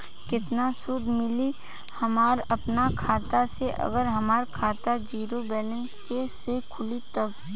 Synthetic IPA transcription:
kɪt̪nasud̪ʱmɪli | hɐmaːɾɐpnakʰaːt̪aseʔɐ̰ɡəɾɦɐmaːɾkʰaːt̪ad͡ʒiːɾobɛːlə̃nskesekʰʊlit̪ɐb

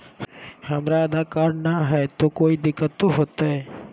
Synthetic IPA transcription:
həmɾaəd̪akaːɾnaɦɛt̪okoːid̪ɪkːət̪ːoɦot̪aɦɛ

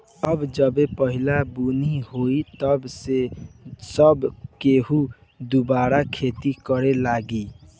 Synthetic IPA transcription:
əbd͡ʒəbepəɦilabunihoit̪əbsesəbkeɦu | d̪ubaɾakʰet̪ikəɾelaɡi

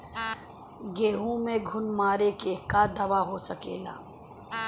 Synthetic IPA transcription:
ɡeːɦũmẽɡʱʊnmaːɾekekad̪ɐʋaɦosəkḛːla̰ː

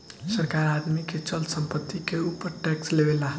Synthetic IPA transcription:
səɾkaɾad̪miket͡ʃəlsəmpət̪ːikeupːəɾʈɛkslebelaɦ

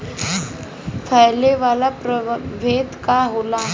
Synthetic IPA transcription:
fʰəjleʋaːlapɾəʋʱeːd̪kaɦoːla

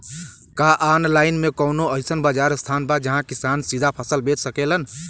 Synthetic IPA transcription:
kaʔanlaːɪnmẽkəʊnoəɪsənbad͡ʒaɾst̪ʰanbad͡ʒəɦãkisansid̪ʱapʰəsəlbet͡ʃsəkelən

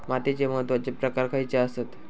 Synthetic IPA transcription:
mat̪it͡ɕeməd̪ʋad͡ʑepɾəkaɾkait͡seaset̪

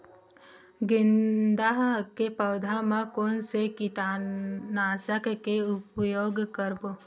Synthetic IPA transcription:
ɡɪnd̪aɦkepəːd̪ʱamãkoːnsekit̪anaːsəkkeʊpjoːɡkəɾbo

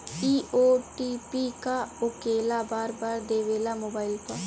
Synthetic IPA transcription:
iːʔoːʈipikaʊkeːlabaːɾbaːɾd̪eːʋeːlamoːbaːɪlpɐɾ

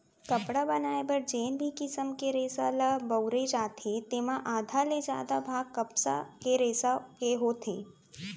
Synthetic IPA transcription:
kɐpɽabənaːebəɾd͡ʒeːnbʱikɪsəmkeɾeːsaləbəwɾed͡ʒaːt̪ʰet̪eːmãʔaːd̪ʱaled͡ʒjaːd̪abʱaːɡkəpsa̰keɾeːsakeɦoːt̪ʰeː

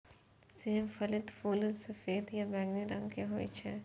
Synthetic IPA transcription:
semfɐlɪt̪fuːlɾsɐfeːd̪jabɛ̃ːɡniɾɐ̃ŋɡkeɦoːḭt͡ʃʰɛ

